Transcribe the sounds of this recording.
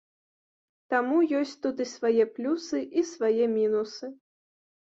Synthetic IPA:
t̪amujɔsʲt͡sʲt̪ud̪ɨsvajɛplʲusɨʔisvajɛmʲinusɨ

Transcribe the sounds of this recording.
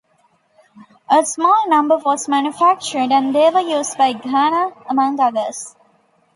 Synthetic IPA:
ʔəsmɔːlnʌ̃mbəʋɔːzmæ̃njufæk̚t͡ʃəɾɖæ̃ɳd̪eːʋəjuːzɖbaɪɡaːnaəmʌ̃ŋɡʌd̪əs

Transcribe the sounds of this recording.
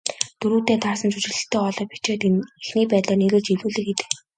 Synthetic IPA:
t̪ɵɾuːt̪eːt̪ʰaːrsə̆nt͡sut͡ɕɪ̆ɮɘ̆ɬt̪eːɔɮɞ̆ːpi̥t͡ɕeːt̪exniːpæːt̪ɮaːneɾɘ̆ːɮt͡ɕiwɮuːɮɘ̆k̚ɡet̪ɘ̆k

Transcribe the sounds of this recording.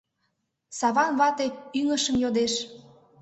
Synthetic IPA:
sɑβɑnβɑt̪e̽yŋəʃəmjod̪eʃ

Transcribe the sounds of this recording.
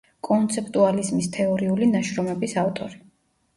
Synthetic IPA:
kʼɔnt̪sʰɛp̚ʰʼt̪ʼualizmist̪ʰɛɔɾiulinaʃɾɔmɛbisaft̪ʼɔɾi

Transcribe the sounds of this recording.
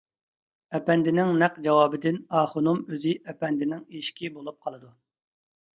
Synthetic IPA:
ɛpɛnd̪ɪnɪŋnæqd͡ʒɑwɑːbɪd̪ɪnɑːχonumøzɪʔɛpɛnd̪ɪnɪŋeʃkʲibolˠup̚qʰɑlˠɨd̪u

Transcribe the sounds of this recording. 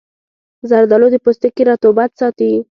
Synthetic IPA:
zaɾd̪alod̪əpost̪əkiɾɑt̪obat̪sɑt̪i

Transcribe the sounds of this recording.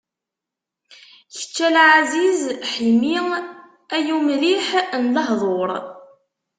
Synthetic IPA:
çə̥t͡ʃːælʕazizħimi | æjumliħnləɦðˤoɾˤ

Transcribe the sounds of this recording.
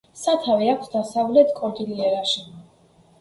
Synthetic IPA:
sat̪ʰavɛakʷʰsd̪asavlɛt̪ʰkʼɔɡ̪iliɛɾaʃi

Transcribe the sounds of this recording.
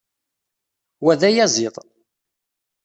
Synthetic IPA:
wæðæjæzˤiðˤ

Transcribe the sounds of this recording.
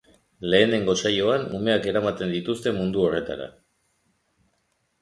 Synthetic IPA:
le̞ːne̞ŋɡo̞sajo̞anṵme̞ake̞ɾamat̪e̞nd̪it̪ust̪e̞mund̪uo̞re̞t̪a̰ɾa̰

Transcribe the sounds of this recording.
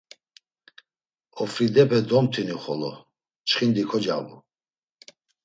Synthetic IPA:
ɔfɾid̪ɛpʰɛd̪ɔmt̪ʰiniχɔlɔ̰ | t͡ʃχind̪ikʰɔd͡ʒa̰vɔ

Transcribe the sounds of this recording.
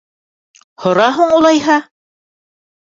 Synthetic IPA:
hŏɾɑɦuɴulˠɑjɦɑ

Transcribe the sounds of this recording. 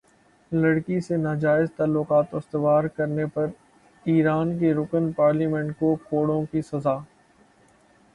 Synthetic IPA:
lɐɽkisenaːd͡ʒaːɪzt̪aːlːʊkaːt̪ʊst̪ɪʋaːɾkɐɾnepɐɾ | iːɾaːnkeɾʊkənpaːɾliːmɛ̃ɳʈkokoːɽõkisɐzaː

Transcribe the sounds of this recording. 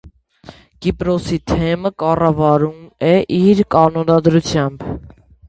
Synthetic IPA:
kipɾɔsit̪ʰɛməkɑrɑvɑɾumɛʔiɾkɑnɔnɑd̪ɾut͡sʰjɑmb

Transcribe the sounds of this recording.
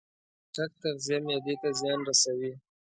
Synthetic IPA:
ʈak̚t̪aɣzjɑmjɑd̪et̪azjɑnɾasawi

